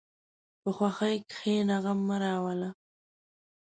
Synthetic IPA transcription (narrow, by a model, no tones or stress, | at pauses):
pəxwaxajkxenaɣamːəɾɑwala